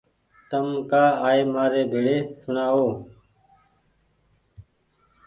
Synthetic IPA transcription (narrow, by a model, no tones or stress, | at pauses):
t̪əmkaːaːeːmaːɾeːbʱeːɽeːsʊnaːoː